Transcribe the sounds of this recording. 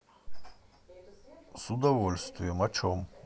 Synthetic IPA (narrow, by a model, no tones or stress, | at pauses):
sud̪ɔvɔlʲst̪vijɛmat͡ʃʰɔm